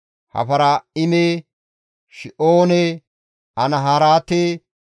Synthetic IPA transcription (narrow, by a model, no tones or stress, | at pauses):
hɐ̰fɐɾɐɪmeː | ʃɪʔoːne | ɐnɐɦaːɾaːt̪eː